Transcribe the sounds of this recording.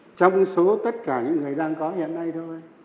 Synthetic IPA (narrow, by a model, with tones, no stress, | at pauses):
t͡ɕɔ˧wŋ͡mɨ˨˧˦so˨˦t̪ə˦˥t̚kaː˧˩ɲɨ̰˧˥ŋːɨ˨˩əjɗaː˧ŋkɔ˨˦ɦḭ˧˨ənːa˧jt̪ʰo˧j